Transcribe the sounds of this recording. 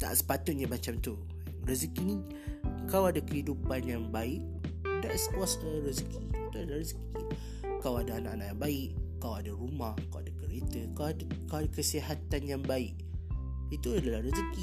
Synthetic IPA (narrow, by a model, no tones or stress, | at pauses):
t̪a̰ʔsə̥pat̪ʊt̪̚ɲamat͡ʃamt̪u | rəzəkinĩ | kawadakəɦidupanjaŋbaɪʔ̚ | daʔsəkasaɾəzkʰiit̪uadalahɾəzə̥ki | kawadaanaʔanaʔjaŋbaɪʔkawadaɾumahkawadakəɾet̪əkawadkawadakəsiɦat̪anjaŋbaɪʔ | it̪uadalaɾəzəki